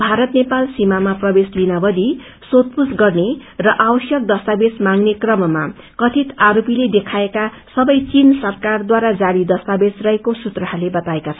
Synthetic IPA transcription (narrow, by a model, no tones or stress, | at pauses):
bʱaɾʌt̪nepalsimamaprʌbeslinabʌd̪i | sot̪̚pusɡʌrnerʌʔabʌsjʌk̚d̪ʌst̪abesmaŋnekrʌmʌma | kʌt̪ʰit̪aɾopiled̪ekʰaeka | sʌbʌjt͡sinsʌrkard̪waɾad͡zaɽid̪ʌst̪abesrʌɦekosut̪rʌɦalebʌt̪aekat͡sʰʌ